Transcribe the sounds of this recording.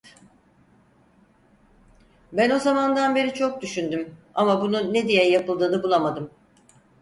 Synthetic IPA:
bæno̞zamand̪anbe̞ɾit͡ʃʰo̞k̚d̪yʃynd̪ymamabununed̪ijɛjapɯlˠd̪ɯːd̪abulˠamad̪ɯm

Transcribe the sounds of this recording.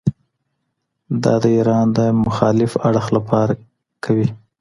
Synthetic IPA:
d̪ɑ̰d̪əiɾɑnd̪əmʊxɑlɪfaɽxlapʰɑɾa | kʰawi

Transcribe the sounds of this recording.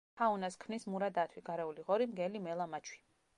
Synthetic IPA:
aunaskʰmnismuɾad̪at̪ʰwiɡaɾɛuliʁɔɾimɡɛlimɛlˠamat͡ʃʰwi̥

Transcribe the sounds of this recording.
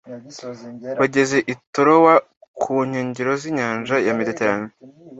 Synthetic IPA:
βaɟe̞ze̞ʔitoɾowa | kʰuɲ̥oːɲɟiɾo̞ziːɲaːnʒajamideteɾaɲe

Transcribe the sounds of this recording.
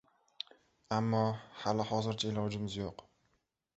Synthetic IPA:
amːɒhalɪhɒzɪɾt͡ʃʰaelɒwd͡ʒɪmɪzjoq

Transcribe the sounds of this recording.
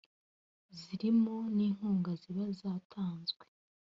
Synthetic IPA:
ziɾimo̞niːŋ̥huːŋɡaziβazaːtʰaːnzɡwe

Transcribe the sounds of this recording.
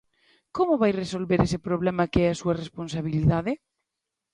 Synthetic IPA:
komoβajresolβeɾesepɾoβlɛmakeɛasuɐresponsaβ̞iliðaðe

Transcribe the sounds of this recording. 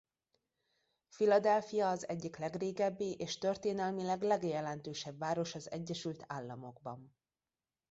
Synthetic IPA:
filɒd̪ɛlfijɒːzɛɟːiklɛɡreːɡɛbːiʔeːʃt̪ørt̪eːnɛlmilɛɡlɛɡjɛlɛnt̪øːʃɛbvaːɾo̞ʃɒzɛ̰ɟːɛʃylt̪ʰaːlːɒmo̞ɡ̚bɒn

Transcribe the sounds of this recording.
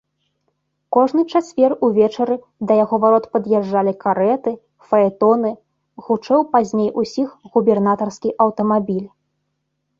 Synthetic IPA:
kɔʐnɨt͡ʂat͡sʲvʲɛruvʲɛt͡ʂɐɾɨ | d̪ɐjaɣɔvaɾɔt̪pɐd̪jɛʐːalʲikaɾɛt̪ɨ | fɐɛt̪ɔnɨ | ɣut͡ʂɛwpazʲnʲejʔusʲixɣubʲɛrnat̪ɐrskʲiʔɐwt̪ɐmabʲilʲ

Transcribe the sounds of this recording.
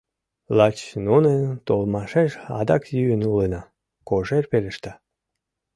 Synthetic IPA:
lɑt͡ɕnunet̪olmɑʃeʃɑ̰d̪ɑkjyənulenɑ | koʒerpeleʃt̪ɑ

